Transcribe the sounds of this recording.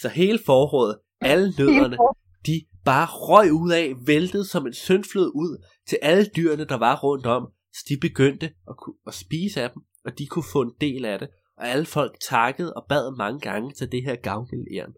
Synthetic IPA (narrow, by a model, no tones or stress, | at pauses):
sɒ̽ɦe̝ːləfɒːʁɔ̰ð̩ˠ | ælənøð̰ˠɐnə | d̥ib̥ɑ̈ːʁɒ̽ɪ̰uð̰ˠɛːʋend̥əð̞̩ˠsɒ̽me̝nsøn̥fløð̰ˠuð̰ˠ | t͡sʰe̝lʔæləd̥yːɐnəd̥ɑ̈ʋɑ̈ʁɔ̽n̰d̥ɒ̽m̰ | sɒ̥d̥ib̥e̝ɡ̥øn̰d̥əɒ̽kʰuɒsb̥iːsəæd̥em | ɒ̽d̥ikʰufɔ̰̽ːe̝nd̥e̝̰ːlæɾ̥e̝ | ʔɒ̽æləfɒ̽l̰ɡ̥̚t͡sʰɑ̈ɡ̥əð̞̩ˠɒ̽b̥ɛð̰ˠmɑ̈ŋəɡ̥ɑ̈ŋət͡sʰe̝ld̥eɦeɐ̰ɡ̥ɑ̈ʊɡ̥elḛɐn